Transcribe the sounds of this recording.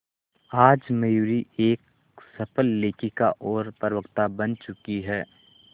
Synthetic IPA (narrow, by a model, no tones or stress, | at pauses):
aːd͡ʒmɐjuːɾieːk | sɐpəlːeːkikaʔɔːɾpəɾʋəkt̪abɐnt͡ʃʊkiɦɛː